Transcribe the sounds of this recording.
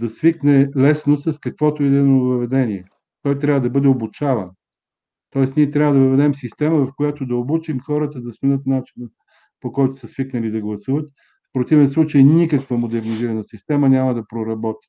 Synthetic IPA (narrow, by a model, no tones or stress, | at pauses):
d̪ɐsviknɛlɛsnosɐskɐkvɔt̪oid̪ɛnovɐvɛd̪ɛniɛ | t̪ɔjt̪ɾʲavəd̪ɐbɤd̪ɛobut͡ʃavə̰n | t̪ɔɛsniɛt̪ɾʲavəd̪ɐvəvɛd̪ɛmsist̪ɛməvɐfkojat̪od̪ɐobut͡ʃimxɔɾət̪əd̪ɐsmɛnɤt̪nat͡ʃinə | pokɔjt̪ʊ̥səsviknɐlid̪ɐɡlˠɐsuvət̪ | fpɾot̪ivɛnslˠut͡ʃəjnikəkvəmod̪ɛɾniziɾɐnəsist̪ɛmənʲamɐd̪ɐpɾoɾɐbɔt̪i̥